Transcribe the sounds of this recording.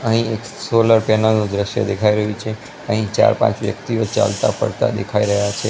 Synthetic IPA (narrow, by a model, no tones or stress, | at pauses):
əɦĩek | soləɾpɛnanũd̪ɾəʃjə̰d̪ekʰaiɾəɦũt͡ʃʰe | əɦĩt͡ʃa̰ɾpã̰t͡ʃʋjə̰kt̪iot͡ʃa̰lt̪a̰pə̰ɽt̪a̰d̪ekʰaiɾəɦjat͡ʃʰe